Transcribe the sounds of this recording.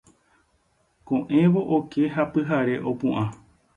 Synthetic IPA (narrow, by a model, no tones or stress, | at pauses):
kõʔẽ̞ʋo̞ʔoke̞ɦapɨɦaɾe̞ʔopũʔã